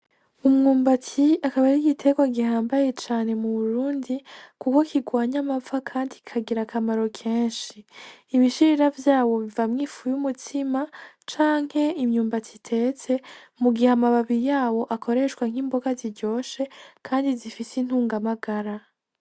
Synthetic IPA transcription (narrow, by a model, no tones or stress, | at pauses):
umŋuːmbatiakaβaɾiɡitʰe̞ɡwaɡihaːmbaje̞t͡ʃaːne̞muβuɾuːndikuko̞kʰiɡwaːɲamavakʰaːndikʰaɡiɾakamaɾo̞kʰeːnʃiːβiʃiɾiɾavjaːwo̞βivamŋiːfujumutʰima | t͡ʃaːŋ̥he̞imɲuːmbatʰitʰe̞ːt͡se̞muɡiheamaβaβijaːwo̞ʔakʰo̞ɾe̞ʃkwaŋ̥imbo̞ɡaziɾɟo̞ːse̞kʰaːndizifisin̥huːŋɡamaɡaɾa